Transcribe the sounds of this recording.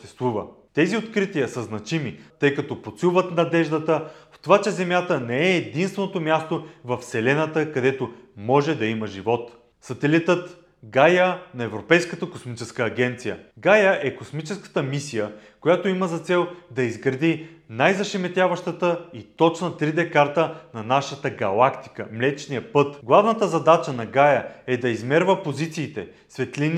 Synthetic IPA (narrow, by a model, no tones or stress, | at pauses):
ʃt̪ɛst̪vuvə | t̪ɛziot̪kɾit̪iəsəznɐt͡ʃimit̪ɤjkɐt̪ɔpot̪sulvət̪nɐd̪ɛʒd̪ət̪əft̪ovat͡ʃɛzɛmʲjat̪ənɛɛːd̪inst̪vɛnot̪omjast̪ovɐfsɛlɛnət̪əkɐd̪ɛt̪omɔʒɛd̪ɐiməʒivɔt̪ | sɐt̪ɛlit̪ət̪ | ɡajənɐɛvɾopɛjskət̪əkosmit͡ʃɛskəːɡʲɛnt̪sijə̰ɡajəʔɛkosmit͡ʃɛskə̥t̪əmisijəkojat̪oiməzɐt̪sɛlˠd̪ɐizɡɾɐd̪inajzɐʃɛmɛt̪ʲjavɐʃt̪ət̪əit̪ɔt͡ʃnət̪ɾid̪ɛkaɾt̪ənɐnaʃət̪əɡɐlˠakt̪i̥kəmlɛt͡ʃnijəpɤt̪ɡlˠavnət̪əzɐd̪at͡ʃənɐɡajəɛd̪ɐizmɛɾvəpozit̪siːt̪ɛ | svɛt̪lin